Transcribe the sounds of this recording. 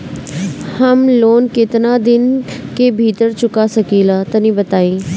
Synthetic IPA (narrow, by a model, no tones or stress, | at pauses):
həmloːnkɪt̪naːd̪ɪnkeːbʱiːt̪əɾt͡ʃʊkaːsəkiːlaːt̪ənĩːbət̪aːiː